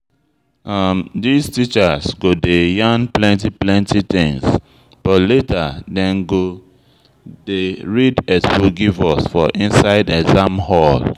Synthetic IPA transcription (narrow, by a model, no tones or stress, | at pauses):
ʔamdiztit͡ʃasɡodejãnplɛ̃ntiplɛ̃ntʰit̪ĩŋs | b̥ɔtletʰadɛ̃nɡo | deɹidɛskuɡivɔsfɔʔĩnsaɪdɛzãmhɔl